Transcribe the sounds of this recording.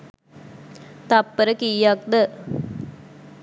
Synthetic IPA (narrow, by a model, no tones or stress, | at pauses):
t̪ɐpːəɾɐkijaːk̚d̪ə